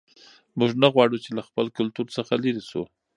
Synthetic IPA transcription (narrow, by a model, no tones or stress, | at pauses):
muʒnaɣwɑɽut͡ʃelaxpəlkʊlt̪uɾsəxaliɾisu